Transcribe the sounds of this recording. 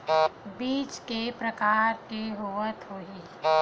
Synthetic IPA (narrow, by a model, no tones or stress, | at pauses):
biːt͡ʃkepɾɐkaːɾkeɦoʋət̪ɦoːiː